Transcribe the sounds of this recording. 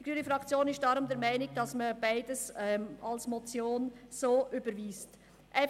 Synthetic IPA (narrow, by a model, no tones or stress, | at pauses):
iɡɾyːnəfʁɑkt͡sjoːnɪsʃtd̥ɑɾʊmdɛɾmaɪnɪɡd̥ɑsməb̥aɪdəsɛmʔɑlsmɔt͡sjoːnsoːʔybəɾviːst | ʔɛ